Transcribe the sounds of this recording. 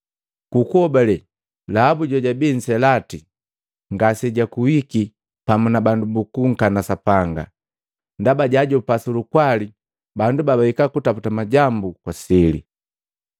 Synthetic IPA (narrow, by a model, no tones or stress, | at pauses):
kukɔbalɛ | laabuɟɔɟabin̩sɛlati | ŋɡasɛɟakuwiki | pamunabandubukuŋ̩kanasapaŋɡa̰ | ndabaɟaɟɔupasulukwali | bandubabawikakutaputamaɟambukwasɛlḭ